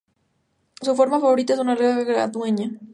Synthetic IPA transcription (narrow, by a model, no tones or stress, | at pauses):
sufo̞ɾmafaβo̞ɾit̪aes̬unareaɣɾa̰ðweɲa